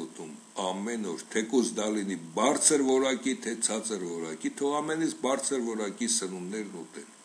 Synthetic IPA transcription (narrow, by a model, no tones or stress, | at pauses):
ut̪um | ɑmɛnɔɾt̪ʰɛkusd̪ɑlinibɑɾt͡sʰəɾvɔɾɑkit̪ʰɛt͡sʰɑt͡səɾvɔɾɑ̰kit̪ʰɔɑmɛnit͡sbɑɾt͡sʰəɾvɔɾɑkisənunːɛɾnut̪ɛl